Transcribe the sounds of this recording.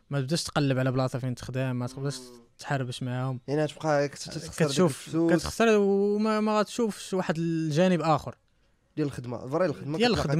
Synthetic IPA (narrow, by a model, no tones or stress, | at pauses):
mæt̪əbd̪æʃt̪qɑlːəbʕlæblɑt̪ˤɑfint̪ə̥xd̪æmːæt̪bd̪æʃ | t̪ħɑrˤːəbəʃmaʕahʊmjaʕniæt̪əb̚qɑkt̪t̪əxskæɾʃufsukæəxsəɾˤmæmæɣæt̪ʃufʃwaħəd̪əlʒænəbʔæxəɾ | d̪jæləlxəd̪ma̰vɑɾˤɑjlxəd̪majæləlxəd̪m